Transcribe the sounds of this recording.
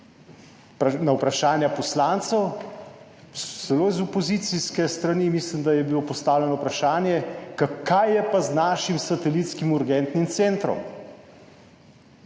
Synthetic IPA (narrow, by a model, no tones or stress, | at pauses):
nawpɾaʃaːnjapɔslant̪sɛw | sɛloːizɔpɔzit̪siskɛst̪ɾanimislimd̪ajɛbilopɔst̪aːwlʲɛnɔwpɾaʃaːnjɛkakːajːɛpaznaːʃimsat̪ɛlit̪skimuɾɡɛnt̪nimt̪sent̪ɾɔ̰m